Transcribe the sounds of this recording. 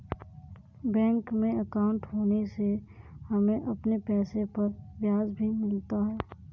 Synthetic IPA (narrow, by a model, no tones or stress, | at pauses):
bɛ̃ːŋkmẽəkaʊ̃ɳʈɦoːnesehɐmẽʔɐpnepɛːsepɐɾbjaːd͡ʒbʱimɪlt̪aɦɛː